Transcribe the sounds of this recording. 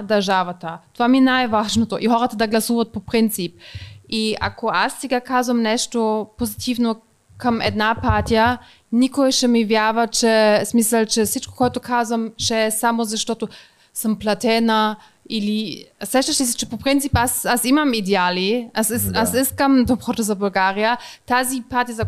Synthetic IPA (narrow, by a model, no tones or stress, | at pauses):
d̪ɐʒavat̪at̪ovamiɛnajvaʒnot̪oʔiɦɔɾat̪əd̪aɡlasuvat̪̚popɾint̪sip̚ia̰kʰoassiɡakʰaːzvamnɛʃt̪opozit̪ʰivno | kʰəmɛ̰d̪napaɾt̪ija | nikoɛʃɛmivjavat͡ʃɛsmisəlt͡ʃɛsit͡ʃko̥kɔjt̪okʰazvamʃɛɛsamozaʃt̪ɔt̪o | səmplat̪ɛna | ilisɛʃt̪ɛʃisɛt͡ʃɛ̥popɾint̪sipasasimamid̪ɛaliasɛsasɛskamd̪opʁɔt̪əzabolɡaɾijat̪azipaɾt̪ijaza